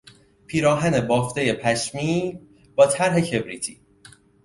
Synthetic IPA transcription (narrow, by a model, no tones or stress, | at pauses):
pʰiːɾɒːɦænebɒːft̪eje̞pʰæʃmiː | b̥ɒːt̪ʰæɾɦe̞cʰe̞bɾiːt̪ʰiː